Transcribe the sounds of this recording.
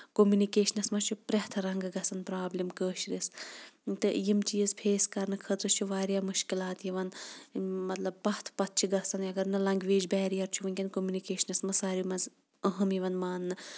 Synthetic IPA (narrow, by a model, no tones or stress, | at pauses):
komunikeːʃɐnɐsmɐt͡ʃʰupɾɐht̪ʰɾɐŋɡɨɡɐsɐnpɾaːblimkəːʃɾist̪ɨjimt͡ʃiːzpʰeːskɐɾnɨkʰɐt̪ɾɨt͡ʃʰuʋaːɾjaːmuʃkilaːt̪jiʋɐn | mɐt̪lɐbːɐht̪ʰpɐt̪̚ːt͡ʃʰiɡɐsɐnɐɡɐɾnɨlɐŋɡʋeːd͡ʒbɛːɾijɐɾt͡ʃʰuʋɐnkʲɐnkomjunikeːʃɐnɐsmɐsaːɾimɐz | ɐɦɐmjiʋɐnmaːnːɨ